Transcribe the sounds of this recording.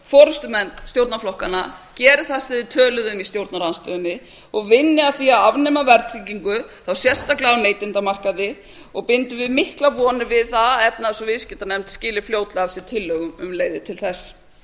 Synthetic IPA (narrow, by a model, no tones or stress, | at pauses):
fɔɾʏst̪ʏmɛnːst̪jowɾt̪naflɔhkanacɛːɾɪθasɪðɪt̪ʰœːlʏðʏmist̪jowɾt̪naɾanst̪œʏnːɪ | ɔɣvɪnːɪaθiaðavnɛmavɛɾt̪ɾiciŋkʏθawsjɛ̥st̪aklɪawneːjt̪ɪnt̪amar̥kaðɪ | ɔɣpɪnt̪ʏvɪðmɪhklavɔːnɪvɪðθaðɛp̚naðsɔvɪscɪt̪anɛmt̪scɪːlɪfljowt̪laavsɪ̥t̪ʰɪlːœɣʏmʏmleːjðɪt̪ʰɪlθɛs